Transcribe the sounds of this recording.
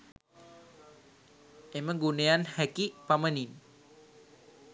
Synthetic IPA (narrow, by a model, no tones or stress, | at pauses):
ʔeməŋɡuneanhɛkipamənin